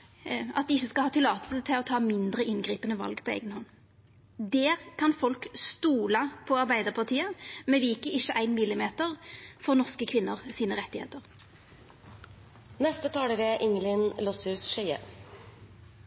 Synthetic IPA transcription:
ɑ̰t̪̚d̪ɪɪçːəskɑlhɑːt̪ɪlɑːt̪əlsət̪ʰɪlɔt̪ʰɑːmɪnd̪ʁəɪnɡʁiːpənəʋɑ̰lɡpʰɔḛːɡənhɔnː | d̪eːʁkʰɑnfɔlkst̪uːlɑpʰɔɑʁbæɪd̪əʁpʰɑʁt̪ʰiːəmɛʋɪkəɪçːəʔæɪnmɪlɪmeːt̪əʁfɔʁnɔʁskəkʰʋɪnːəʁsiːnəʁɛt̪ːɪhḛːt̪əʁ | nɛst̪ət̪ʰɑːləɾeʔɪŋəlɪnlɔshʉːsʃœə̰

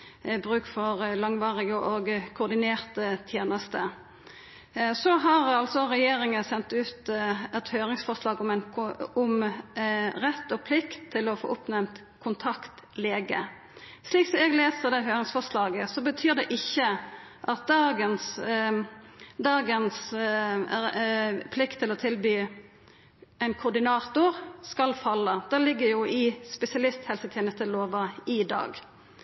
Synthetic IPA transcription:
bʁʉːkfɔʁlɑŋʋɑːʁɪɡəʔoɡkʰʊːd̪ɪneːʁt̪ət̪ʰjeːnəst̪ə | sɔɦɑʁɑlt̪sɔɾɛjeːɾɪŋənsɛnt̪ʉːt̪ɛt̪høːɾɪŋsfɔʂlɑːɡɔmɛnʊm | ɾɛt̪ːɔpʰlɪkt̪ʰːɪlɔfo̰ːʔʊpnɛmt̪ | kʰʊnt̪ʰɑkt̪leːɡə̰ | sliːksɔmɛɡleːsəʁd̪ɛɪɦøːʁəŋsfɔslɑːɡəsɔbət̪ʰyːʁd̪ɛʔɪçːə | ʔɑt̪̚d̪ɑːɡəns | d̪ɑːɡəns | pʰlɪkt̪ʰːɪlɔt̪ʰɪlbyː | æɪnkʰʊd̪ɪnɑːt̪ʊʁskɑlfɑlːəd̪̥ɛlɪɡːəjʊɪspɛsɪɑlɪst̪hɛlsət̪ʰɛːnəst̪əloːʋɑɪd̪ɑ̰ːɡ

